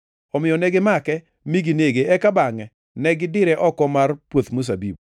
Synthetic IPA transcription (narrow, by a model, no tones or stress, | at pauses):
ɔmɪjɔnɛɡɪmakɛ | miɡineɡeɛkabaŋɛ | nɛɡɪdɪɾɛʔɔkɔmarpwot̪mus̬abḭb